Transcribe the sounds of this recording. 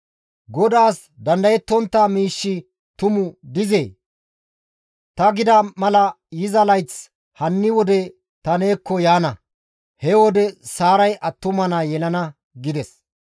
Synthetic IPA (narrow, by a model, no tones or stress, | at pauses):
ɡɔd̪aːs | d̪ɐnd̪ɐjɛt̪ːɔnt̪ːamiːʃːɪ | t̪ʊmʊd̪ɪzeː | t̪ɐɡɪd̪ɐmɐlɐ | jɪzɐlɐjt͡s | hɐnːɪwɔd̪ɛ | t̪ɐne̞ːkːɔjaːnɐ | hɛwɔd̪ɛsaːɾɐjʔɐt̪ːʊmɐnɐjɛlɐnɐ | ɡɪd̪ɛs